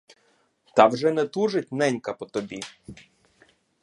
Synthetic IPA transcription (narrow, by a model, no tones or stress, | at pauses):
t̪ɑwʒɛnɛt̪uʒetʲnɛnʲkɐpɔt̪ɔbʲi